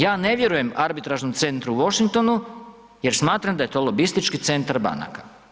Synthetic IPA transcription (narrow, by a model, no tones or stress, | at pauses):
jaːne̞ʋje̞ɾuje̞maɾbit̪ɾaʒnomt̪se̞nt̪ɾuʋo̞ʃiŋk̚t̪o̞nu | je̞ɾsmaːt̪ɾamd̪aet̪o̞lˠo̞bist̪it͡ʃkit̪se̞nt̪aɾba̰na̰ka